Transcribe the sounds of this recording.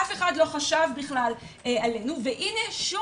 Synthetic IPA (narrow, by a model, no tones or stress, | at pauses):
afe̞χadlo̞χaʃavbiχlal | eale̞nuveʔine̞ʃu